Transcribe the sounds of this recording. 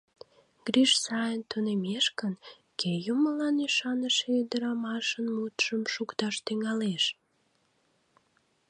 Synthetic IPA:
ɡ̥ɾiʃsɑjənt̪unemeʃkən | kejuməlɑniʃɑnəʃeyd̪əɾɑmɑʃənmut̪ʃəmʃukt̪ɑʃt̪yŋɑleʃ

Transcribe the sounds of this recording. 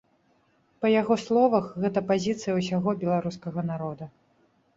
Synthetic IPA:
pɐjaɣɔslˠɔvɐxɣɛt̪ɐpazʲit̪sɨjɐwsʲaɣɔbʲɛlˠaɾuskɐɣɐnaɾɔd̪ɐ

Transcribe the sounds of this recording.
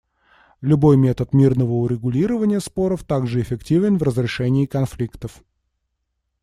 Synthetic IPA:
lʲʊbo̞jmʲe̞t̪ət̪mʲirnəvəʊɾʲɪɡʊlʲiɾəvənʲɪjəspo̞ɾəft̪aɡʐɨɪfʲɪktʲivʲɪnvrəzɾʲɪʂɛnʲɪːkɐnflʲikt̪əf

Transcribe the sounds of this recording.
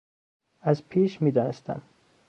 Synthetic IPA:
æzpʰiːʃmiːd̪ɒːnest̪ʰæ̰n

